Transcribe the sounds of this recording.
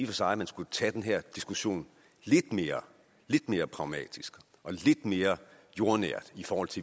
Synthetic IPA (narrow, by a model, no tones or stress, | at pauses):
ifɒsɑ̈ɪæmænsɡ̥ut͡sʰæd̥enɦɛɐ̰d̥isɡ̥uɕo̝̰ːn | le̝d̥me̝ːɐ | le̝d̥me̝ːɐpʰʁɑ̈ʊmɛ̰ːd̥isɡ̥ | ʔɒ̽le̝d̥me̝ːɐ | jo̝ɐnæɐ̰d̥ifɒːhɒ̽l̰t͡sʰe̝